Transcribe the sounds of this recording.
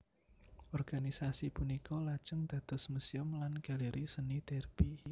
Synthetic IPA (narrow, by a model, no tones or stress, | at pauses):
ʔɔrɡ̥anisasipunikɔlḁt͡ʃəŋd̪̥a̤d̪̥ɔ̤sməsiʊmlanɡ̥a̤leɾʔisənit̪ɛrbi